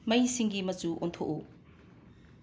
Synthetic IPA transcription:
mɐjsiŋɡimɐt͡ʃuʔontʰoku

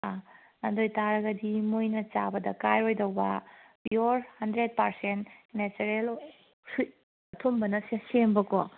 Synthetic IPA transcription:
a | ɐndojtaɾɐɡɐdimojnɐt͡ʃabɐdɐkajojdɐwbɐ | oɾhɐndɾed̚pɐɾsentnet͡ʃeɾel | su | ɐtʰombɐnɐsesembɐko̰

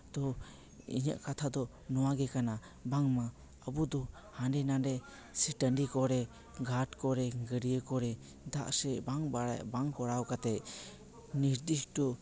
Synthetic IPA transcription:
d̪̥ɔ | ḭɲa̰ʔkat̪ʰad̪ɔ | nɔwaɡɛkana | baŋma | əbud̪ɔ | hanɖɛnadɛ | sɛʈəɳɖikɔɾɛ | ɡaʈkɔɾɛɡəɾijəkɔɾɛ | d̪a̰ʔsɛbaŋbaɽa̰baŋkɔɽawkat̪ɛ | niɾd̪isɖɔ

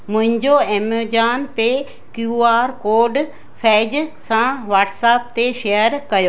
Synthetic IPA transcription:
mʊ̃ɦɪ̃ɲd͡ʑoeːmed͡ʑaːnpe | kjuːaːɾkoːɾɖ | fʰɛːd͡ʑsãʋaːʈsaːp̚t̪eʃejəɾkɐjoː

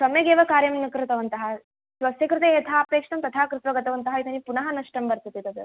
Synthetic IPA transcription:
sɐmjɐɡeːʋɐkaːɾjɐmnɐkɾɪt̪ɐʋɐnt̪ɐɦɐ | ʃʋɐsjɐkɾɪt̪eːt̪ʰaːɐpeːkʂʈɐmt̪ɐt̪ʰaːkɾɪt̪ʋɐɡɐt̪ɐʋɐnt̪ɐɦɐit̪ʰɐnipunɐɦɐnɐʂʈɐmbɐɾt̪ɐt̪it̪ɐd̪u

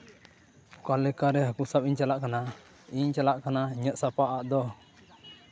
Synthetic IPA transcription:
kalɛkaɾɛɦakusap̚iɲt͡ʃalaʔkana | iɲt͡ʃalaʔkanaiɲəʔsapaʔaʔd̪ɔ

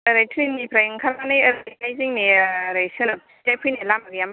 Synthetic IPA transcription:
əɾajtʰɾinːipʰɾajɯŋkʰaɾmanɯjəɾjkajziŋniɾajsɯnɯ | tajpʰujnelamaɡjam

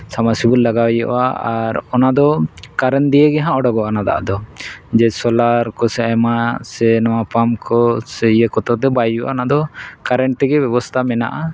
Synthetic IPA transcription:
samasibullːaɡawjɔʔʔaaɾɔnad̪ɔkaɾɛnd̪ijəɡɛɦãɔɽɔɡɔanad̪a̰ʔa̰d̪ɔd͡ʒɛsɔlaɾkɔsɛɛmasɛnɔwapamkʰɔsɛijəkɔt̪ɔd̪ɛbajjuʔaɔnad̪ɔkaɾɛnʈ̪ɛɡɛbɛbɔst̪ʰamɛna̰ʔa

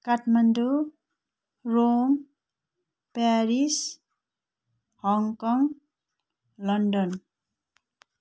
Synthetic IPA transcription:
kaʈmandu | ɾoŋ | paɾis | hɔŋkɔŋ | lʌndʌn

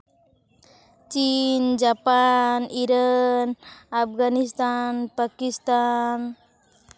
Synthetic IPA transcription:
t͡ʃind͡ʒapaniɾanapɡanist̪anpakist̪an

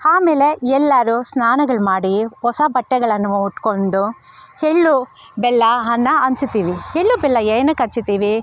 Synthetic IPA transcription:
aːmeːle̞ɛlːɐɾusnaːnɐɡɐɭmaːɽihɔsɐbɐʈːɛɡɐɭɐnːuʋuuʈkond̪u | heɭːu | bɛlːɐɦɐnːɐɐɲt͡ʃut̪ːiːʋiheɭːubɛlːɐeːnukɐt͡ʃːut̪iːʋi

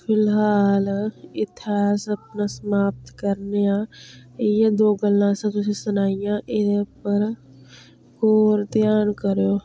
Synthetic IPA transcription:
pʰɪlɦaːlɪt̪ɪaːsəpnasəmaːp̚t̪kəɾneã | jed̪oːɡəlːãsẽk̪ʊsesənaːɪjãʔɪdepəɾ | koːɾt̪jaːnkəɾjoː

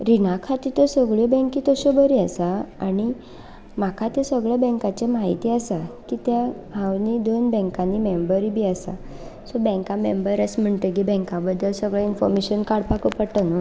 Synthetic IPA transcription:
ɾinakʰat̪it̪əsəɡɭibɛ̃ŋkit̪əɕobəɾiasaaɽ̃i | m̤akʰat̪esəɡɭabɛ̃ŋkat͡ɕemaɦit̪iːasakit̪ja | ɦãwnid̪onbɛ̃ŋkãnːimembəɾibiːasa̰ | sɔbɛ̃ŋkãmembəɾəsm̤əɳʈ̪əɡibɛ̃ŋkãbəd̪ːəlsəɡɭainfɔ̰ɾmeɕənkaɽpakopəɽt̪anu

